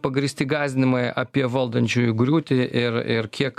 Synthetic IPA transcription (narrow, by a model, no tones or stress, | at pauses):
pɐɡɾʲɪsʲt̪ʲɪɡɑːzʲd̪ʲɪnʲɪmɐjʔɐpʲiɛʋɐlˠd̪ɐnʲt͡ʃʲuːjʊɡɾʲuːt̪ʲɪʔɪɾɪɾkʲiɛk